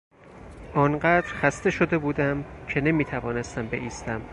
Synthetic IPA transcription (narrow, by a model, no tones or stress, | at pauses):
ʔɒːnɢæːd̪ɾxæst̪e̞ʃo̞d̪e̞buːd̪æmcʰe̞ne̞miːt̪ʰævɒːnest̪æmbe̞̰ʔiːst̪æm